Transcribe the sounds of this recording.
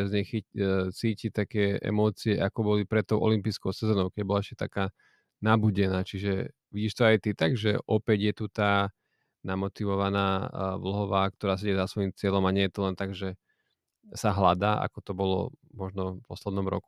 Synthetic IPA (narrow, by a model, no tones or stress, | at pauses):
zɲɛxit͡siːcit̪akɛːɛ̰mɔːt͡siɛʔakɔbɔlipɾɛt̪ːɔʊʔɔ̰limpiːskɔʊsɛzɔːnɔʊkɛɟbɔlaɛʃcɛt̪a̰kaː | nabuɟɛnaːt͡ʃiʒɛ | ʋiɟiːʃt̪ɔajt̪it̪aɡʒɛʔɔpɛɟjɛt̪ut̪aː | namɔt̪iʋɔʋanaːʋl̩ɦɔʋaːkt̪ɔɾaːs̬ɛɟɛzasʋɔjimt͡sɪɛlɔmaɲɪɛjɛt̪ulɛnt̪aɡʒɛ | saɦlad̪aːʔa̰kɔt̪ɔbɔlɔ̰mɔʒnɔpɔslɛd̪nɔmɾɔ̰ku̥